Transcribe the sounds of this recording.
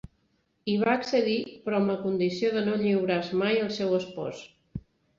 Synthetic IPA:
iβ̞aəksəðipɾɔmləkund̪isioðənoʎiwɾazmajəlˠsɛwəspɔ̰s

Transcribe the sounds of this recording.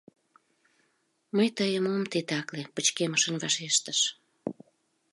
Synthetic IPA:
məjt̪əjəmomt̪et̪ɑklepət͡ɕkeməʃənvɑʃeʃt̪əʃ

